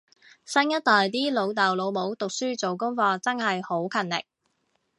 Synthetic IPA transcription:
sɐ˥njɐ˥t̚t̪ɔː˨jt̪̬iː˥lo˨˧wt̪ɐ˨˩wlo˨˧wmo˨˥wt̪ʊ˨k̚syː˥t͡so˨wkʊ˥ŋfɔː˧t͡sɐ˥nhɐ˨jho˨˥wkʰɐ˨nlɪ̰˨˩k̚

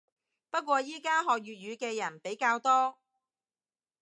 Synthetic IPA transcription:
pɐ˥t̚kʷɔː˧jiː˥kaː˥ɦɔː˨k̚ɥyː˨t̚ɥyː˨˧kɛː˧jɐ˨˩npe˨˥jkaː˧wt̪ɔː˥

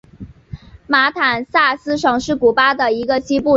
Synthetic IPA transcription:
ma˧˥t̪ʰa˨˩nsa˥˩sɹ̩˥ʂɤ˨˩ŋʂɻ̩˥˩ku˨˩pa˥d̪ə˨i˧˥ɡə˧ɕi˥pu˥˩

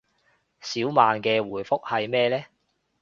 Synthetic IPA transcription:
siː˨˥wmaː˨nkɛː˧wuː˨˩jfʊ˥k̚hɐ˨jmɛː˥lɛː˥

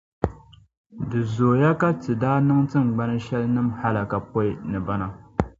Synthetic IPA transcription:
dɨ˨zo˨ja˦ka˦tɨ˨daː˦nɨ˦ŋtɨ˦m˨ɡ͡ba˦nɨ˦ʃɛ˦lnɨ˦mha˦la˨ka˨pɔ˦ɪ˦˨nɨ˨ba˦na˦

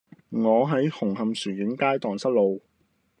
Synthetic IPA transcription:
ŋɔː˨˧ɦɐ˨˥jhʊ˨˩ŋɦɐ˨msyː˨˩kɪ˨˥ŋkaː˥jt̪ɔː˨ŋsɐ˥t̚lo˨˧w

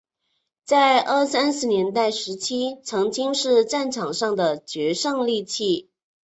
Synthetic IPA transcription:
t͡sa˥˧ɪʔə˥˩sa˥nʂɻ̩ɹ̩˥˩njɛ˧˥nt̪a˥˩ɪʂɻ̩˧˥t͡ɕʰi˥t͡sʰɤ˧˥ŋt͡ɕi˥ŋʂɻ̩˥˧ʈ͡ʂa˥˩nʈ͡ʂʰɑ˨˩ŋʂɑ˥˩ŋd̪ə˩t͡ɕɥɛ˧˥ʂɤ˥˧ŋli˥˧t͡ɕʰi˥˩

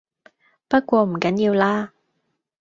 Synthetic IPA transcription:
pɐ˥t̚kʷɔː˧m̩˨˩kɐ˨˥njiː˧wlaː˥

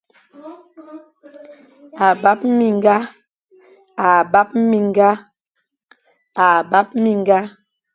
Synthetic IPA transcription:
a˨ba˦p̚mi˨ŋ˦ɡa˦ | a˨ba˦p̚m˦mi˨ŋ˦ɡa˦ | a˨ba˦p̚mi˨ŋ˦ɡa˦

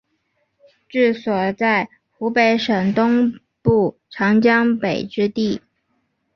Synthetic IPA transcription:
ʈ͡ʂɻ̩˥˩swɔ˨˩t͡sa˥˩ɪ | xu˧˥pe˧˥ɪʂə˨˩ŋt̪ʊ˥ŋ | pu˥˩ | ʈ͡ʂʰɑ˧˥ŋt͡ɕjɑ˥ŋpe˨˩ɪʈ͡ʂɻ̩˥t̪i˥˩

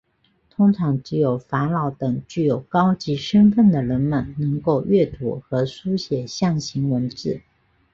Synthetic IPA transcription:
t̪ʰʊ˥ŋʈ͡ʂʰɑ˧˥ŋt͡ɕ̩˥˩jo˨˩ʊfa˧˥nlɑ˧˥ʊt̪ɤ˨˩ŋt͡ɕy˥˩jo˨˩ʊkɑ˥ʊt͡ɕi˧˥ʂə˥nfə˥˩nd̪ə˩ɻə˧˥nmə˨nnɤ˧˥ŋko˥˧ʊɥɛ˥˩t̪ʰṵ˧˥xɤ˧˥su˥ɕjɛ˨˩ɕjɑ˥˩ŋɕi˧˥ŋwə˧˥nʈ͡ʂɻ̩˥˩

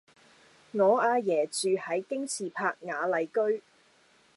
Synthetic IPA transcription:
ŋɔː˨˧aː˧jɛː˨˩t͡ʃyː˨˧hɐ˨˥jkɪ˥ŋt͡sʰiː˨pʰaː˧k̚ŋaː˨˧lɐ˨jkɵ˥ɥ

